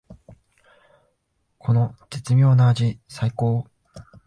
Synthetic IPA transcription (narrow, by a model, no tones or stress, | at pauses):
kʰo̞no̞d͡ʑet͡sɨmʲo̞ːnaːʑisaiko̞ː